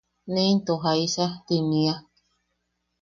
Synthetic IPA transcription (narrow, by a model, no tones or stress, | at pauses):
nẽnt̪oɦaisat̪inĩa